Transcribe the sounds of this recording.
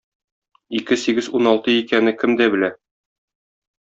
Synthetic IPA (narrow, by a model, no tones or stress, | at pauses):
ikɘsiɡɘzunɒlˠt̪ɤjikænɘkɘmd̪æbɘ̆læ